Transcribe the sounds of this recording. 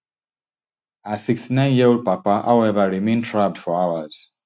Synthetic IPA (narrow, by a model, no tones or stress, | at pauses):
asɪkstinãɪ̃njɛwd̚papahawɛvəɹimẽntʰɹab̚dfɔɹawəz̥